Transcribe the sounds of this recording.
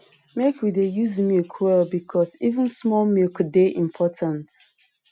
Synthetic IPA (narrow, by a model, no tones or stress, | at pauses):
mekwidejuzmilkʰwɛlbikʰɔsivə̃nsmɔlmilkdeʔĩmpʰɔtãnt